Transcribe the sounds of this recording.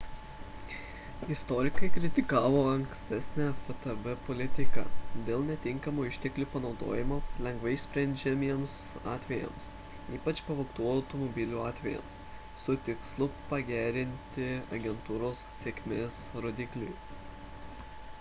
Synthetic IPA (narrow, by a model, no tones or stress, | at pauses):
ɪst̪ɔɾʲɪkɐɪkɾʲɪt̪ʲɪkɑːʋoːɐŋksʲt̪ʲɛsʲnʲæfɐt̪ɛbɛpɔlʲɪt̪ʲɪkɑ̰ːd̪ʲeːlˠnʲɛt̪ʲɪŋkɐmuːɪʃʲt̪ʲɛklʲuːpɐnɒʊd̪o̰ːjɪmoːlʲɛŋɡʋɐɪsʲpʲɾʲɛnʲd͡ʒʲɛmʲiɛmsɑ̰ːt̪ʲʋʲɛjɛ̰ms | iːpɐt͡ʃpɐʋɐʊt̪uɐʊt̪omɔbʲɪlʲuːɑːt̪ʲʋʲɛjɛ̰ms | sʊt̪ʲɪkslˠʊpɐɡʲæːɾʲɪnʲt̪ʲɪɐɡʲɛnt̪uːɾoːssʲeːkʲmʲeːsɾoːd̪ʲɪklʲʊ